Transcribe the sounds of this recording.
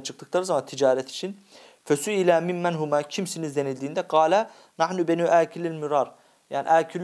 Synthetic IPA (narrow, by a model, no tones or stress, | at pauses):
t͡ʃʰɯ̥k̚t̪ʰɯ̥klˠaɾɯzamɑnt̪ʰid͡ʒaːɾɛt̪ʰi̥t͡ʃʰin | føsyilæːmimːænɦumacʰimsinizd̪enilʲd̪iːnd̪ɛɡɑːlæ | naħnubenyːʔæːcʰililmyɾɑɾ | jaːnḭʔæːcʰil